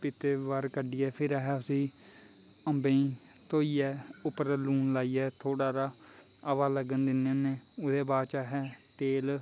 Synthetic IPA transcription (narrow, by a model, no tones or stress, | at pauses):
pɪt̪eːʋaɾkəɖiːɛːpʰɪɾaɦɛːəsĩː | əmbẽĩː | t̪oːiːɛːʊpəɾluːnlaːiːɛːt̪ʰoːɽaːɾaː | əʋaːləɡənd̪ɪnẽːneːʊd̪eːbaːt͡ʃaːɦɛːt̪eːl